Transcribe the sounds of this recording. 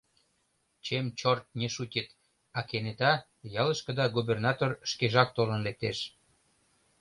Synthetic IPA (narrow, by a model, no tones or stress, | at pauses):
t͡ɕemt͡ɕort̪̚neʃutʲət̪ | ɑkenet̪ɑ | jɑləʃkə̆d̪ɑɡubernɑt̪orʃkeʒɑk̚t̪olənlek̚t̪eʃ